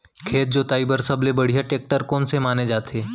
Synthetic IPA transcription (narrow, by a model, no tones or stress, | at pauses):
kʰeːt̪̚d͡ʒot̪aːibəɾsɐblebɐɽ̤ijaʈeːk̚ʈəɾkɔːnsemaːned͡ʒaːt̪ʰeː